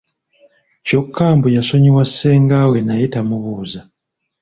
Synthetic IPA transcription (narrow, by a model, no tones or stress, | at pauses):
co̞kʰːaːmbujaso̞ɲiwasːe̞ːŋɡaːwe̞najitamuβuːza